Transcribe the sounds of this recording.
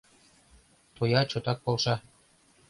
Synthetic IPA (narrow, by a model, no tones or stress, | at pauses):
t̪ojɑt͡ɕot̪ɑk̚polˠʃɑ